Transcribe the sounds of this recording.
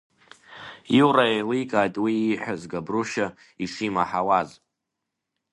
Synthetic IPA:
iwraejlikʼaːjtʼwiːħʷazɡabruʃa | isimaħawaz

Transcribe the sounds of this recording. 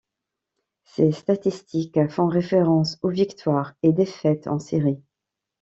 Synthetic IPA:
sest̪at̪ist̪ʰikfɔ̃ʁefeʁɑ̃sovikt̪waːʁed̪efɛt̪ʰɑ̰̃siʁi

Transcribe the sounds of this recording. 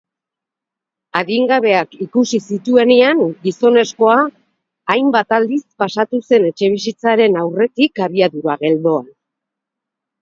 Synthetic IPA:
aɣiŋɡaβe̞akikusisit̪ue̞neaŋɡiso̞ne̞sko̞aː | jmbat̪ald̪ispasat̪use̞ne̞t͡ʃe̞β̞is̬it͡saɾe̞nawre̞t̪ikaβiaðuɾaɣe̞ld̪o̞a

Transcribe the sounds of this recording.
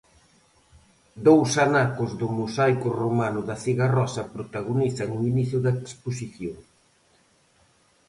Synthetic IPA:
d̪owsanakʊzðʊmusajkʊromanʊðɐθiɣarɔsɐpɾot̪aɣoniθɐŋuiniθjʊðɐeksposiθjoŋ

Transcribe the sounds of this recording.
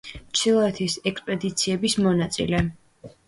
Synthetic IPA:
t͡ʃʰilˠɔɛt̪ʰisɛkspʼɛd̪it̪sʰiɛbismɔnat̪sʼḭlɛ

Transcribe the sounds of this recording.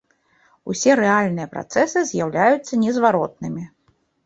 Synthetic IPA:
usʲɛɾɛalʲnɨjɐpɾa̰t̪sɛsɨzʲjawlʲajut̪sːɐnʲɛzvaɾɔt̪̚nɨmʲi

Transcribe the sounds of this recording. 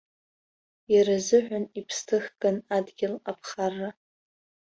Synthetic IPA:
iɾazɨħʷᶣanipʰstʰɨχɡʼanadɡʲɪlapʰχarːa

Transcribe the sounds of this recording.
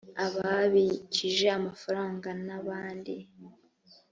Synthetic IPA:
aβaβiciʒe̞amafaɾaːŋɡanaβaːndi

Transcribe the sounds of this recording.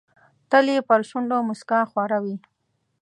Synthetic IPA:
t̪əlepəɾʃuɳɖomʊskaxwɑɾawi

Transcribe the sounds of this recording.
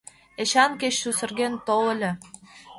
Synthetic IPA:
eɕɑnkeɕːusə̆rɣent̪oə̆lʲɘ̆

